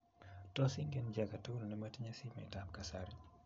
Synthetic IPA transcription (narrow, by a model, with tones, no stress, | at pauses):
tɔ˦si˦ŋɡe˦nd͡ʒa˨ka˨to˦no˨nɛ˦ma˦ti˦ɲa˦si˦ma̰˨ɪ˨ta˦mka˨sa˨ɾi˦